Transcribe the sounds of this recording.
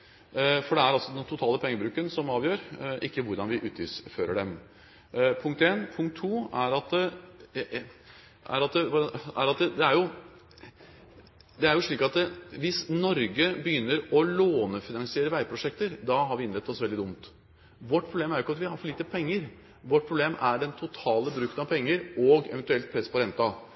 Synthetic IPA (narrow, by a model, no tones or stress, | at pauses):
fɔɖɛæɾɑlsɔd̪ɛnt̪ʰʊt̪ʰɑːləpʰɛŋːəbɾʉːkənsɔmɑːʋjøːɾʔɪkːəʋʊɾd̪ɑnʋɪʔʉːt̪ʰɪlsføːɾəɖɛm | pʰʊŋk̚t̪eːnpʰʊŋkt̪ʰːuːæɾɑt̪ | ʔæ̰ɾɑt̪ʋæɾɑt̪d̪ɛæɾjʊ | d̪ɛæɾjʊʂɭiːkɑt̪ʋɪsnɔɾɡəbəjʏnːəɾɔloːnəfɪnɑŋsɪeːɾəʋæɪpʰɾʊʂɛk̚t̪əɾd̪ɑɦɑɾʋɪɪnɾɛt̪ːɔsʋɛld̪ɪd̪ʊmt̪ | ʋɔʈ̚ːpʰɾʊbleːmæɾjʊɪkːɑt̪ʋɪhɑɾfɔliːt̪əpʰɛŋːəɾ | ʋɔʈ̚ːpʰɾʊbleːmæɖɛnt̪ʰʊt̪ʰɑːləbɾʉːkt̪ənɑʋpʰɛŋːəɾɔɡɛ̰ʋɛnt̪ʉɛlt̪̚pʰɾɛspʰɔɾɛnt̪ɑ